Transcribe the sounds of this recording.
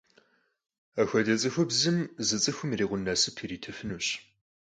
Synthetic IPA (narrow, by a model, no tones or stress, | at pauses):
axʷɐdɐt͡sʼɨxʷʊbzɨmzɨt͡sʼɨxʷʊmiriːʁʷʊnːaːsɨpʰiːɾiːtʰɨfɨnuːɕ